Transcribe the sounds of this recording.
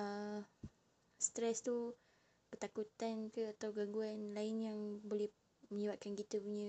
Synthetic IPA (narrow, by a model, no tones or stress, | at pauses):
ə | st̪ɾɛst̪u | pərt̪akut̪ankəat̪awɡaɡuanlaɪnjaŋbolɛh | mə̃ɲəbat̚kankit̪əbuɲə̃